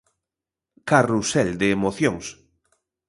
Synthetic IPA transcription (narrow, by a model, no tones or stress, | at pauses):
karusɛld̪eːmoθjoŋs